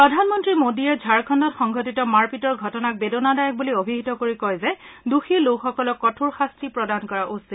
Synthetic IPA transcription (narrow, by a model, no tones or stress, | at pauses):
pɹɔdʱanmɔntɹimodiɛd͡ʒʱaɹkʰɔndɔtxɔŋɡʱɔtitɔmaɹpitɔɹɡʱɔtɔnak̚bedonadajɔk̚buliobʱiɦitɔkoɹikɔjzɛduxilokxɔkɔlɔkːɔtʰuɹxastɹipɹɔdankɔɹaʔusit